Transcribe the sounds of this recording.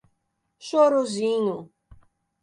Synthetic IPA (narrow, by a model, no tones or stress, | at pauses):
ʃoɾozĩɲʊ